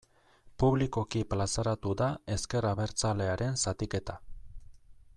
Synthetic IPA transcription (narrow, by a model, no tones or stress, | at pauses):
puβliko̞kiplasaɾat̪uðae̞ske̞raβe̞ɾt͡sale̞aɾe̞nsat̪ike̞t̪a